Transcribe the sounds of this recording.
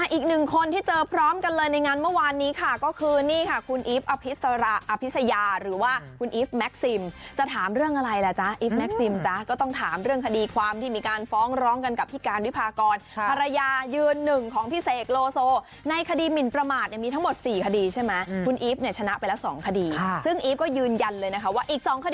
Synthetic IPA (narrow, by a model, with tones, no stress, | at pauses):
a˧˥˩ʔiː˨˩k̚nɯ˨˩ŋkʰo˧nt̪ʰiː˥˩t͡ɕɤː˧pʰɾɔː˦˥mka˧nlɤː˧jna˧jŋaː˧nmɯ˥˩waː˧nːiː˦˥kʰa˥˩kɔː˥˩kʰɯː˧niː˥˩kʰa˥˩kʰu˧nʔiː˦˥p̚ʔa˧pʰi˦˥sa˧ɾa˦ʔa˧pʰi˦t̪sa˧jaː˧ɾɯː˩˦waː˥˩kʰu˧nʔiː˦˥p̚mɛ˦˥k̚si˧mt͡ɕa˨˩t̪ʰaː˩˦mɾɯ˥˩əŋʔa˧ɾa˧jla˨˩t͡ɕa˦˥ʔiː˦˥p̚mɛ˦˥k̚si˧mt͡ɕa˦˥kɔː˥˩t̪ɔ˥˩ŋt̪ʰaː˩˦mɾɯ˥˩əŋkʰa˧diː˧kʰwaː˧mt̪ʰiː˥˩miː˧kaː˧nfɔː˦˥ŋɾɔː˦˥mka˧nka˨˩p̚ʰiː˦˥˩kaː˧nwi˦˥pʰaː˧kɔː˧nʰa˧ɾa˧jaː˧jɯː˧nːɯ˨˩ŋkʰɔː˩˦ŋpʰiː˦˥seː˨˩t̪̚loː˧soː˧ | na˧jkʰa˧diː˧mi˨˩npɾa˧maː˨˩t̪̚ni˧˩miː˧t̪ʰa˦˥ŋmo˨˩t̪̚siː˨˩kʰa˧diː˧t͡ɕʰa˥˩jma˦˥jkʰu˧nʔiː˦˥p̚ni˥˩ət͡ɕʰa˧na˦˥ʔpa˧jlɛː˦˥wsɔ̰ː˩˦ŋkʰa˧diː˧˩sɯ˥˩ŋʔiː˦˥p̚kɔː˥˩jɯː˧nja˧nlɤː˧jna˦˥kʰa˥waː˥˩ʔiː˨˩k̚sɔː˩˦ŋkʰa˧d